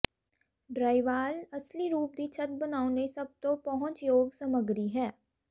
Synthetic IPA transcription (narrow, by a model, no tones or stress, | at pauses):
ɖɾaːɪʋaːlɐsliɾuːp̚d̪it͡ʃʰɐt̪̚bɐnaːonesɐb̚t̪õpɐɦʊ̃nt͡ʃjoːɡsɐməɡɾiɦɛː